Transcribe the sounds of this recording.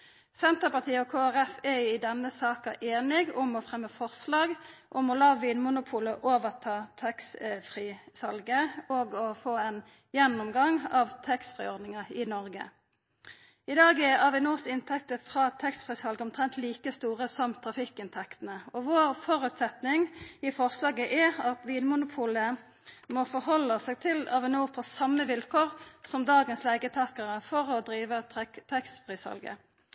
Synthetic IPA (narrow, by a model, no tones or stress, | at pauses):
sɛnt̪əpɑʁt̪ʰiːəɔkʰoːæʁɛfɛjʉɪd̪ɛnːəsɑːkɑʔeːnɪɡʊmɔfʁɛmːəfɔʁslɑːɡʔʊmɔlɑːʋiːnmʊnʊpʰuːləʔoːʋəʁt̪ʰɑːt̪ʰɛksfʁiːsɑlɡəoːɡɔfoːɛn | jɛnːʊmɡɑŋɑʋt̪ʰɛksfʁɪ̰ːɔʁd̪nɪŋəɪnɔʁɡə̰ | ɪd̪ɑːɡɛɑʋɪnuːsɪnt̪ʰɛk̚t̪əfʁɑːt̪ʰɛkst̪fʁiːshɑlɡəɔmt̪ʰʁɛnt̪liːkəst̪uːʁəsɔmt̪ʰʁɑfɪkːɪnt̪ʰɛkt̪ənəɔʋoːʁfɔʁʉt̪sɛt̪nɪŋɪfɔʁslɑːɡəʔɛʁɑt̪ʋiːnmʊnʊpʰuːlə | mɔːfɔʁhɔlːəsɛːɡ̚t̪ʰɪlɑʋɪnuːpʰɔsɑmːəʋɪlkʰoːʁsɔmd̪ɑːɡənsleːɡət̪ʰɑːkəʁəfɔʁɔd̪ɾiːʋət̪ʰɛkst̪fʁiːshɑ̰lɡə̰